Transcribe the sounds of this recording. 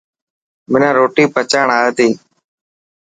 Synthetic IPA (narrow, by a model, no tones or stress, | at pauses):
mɪnãːɾoːʈiːpət͡ʃaːɳaːeːt̪iː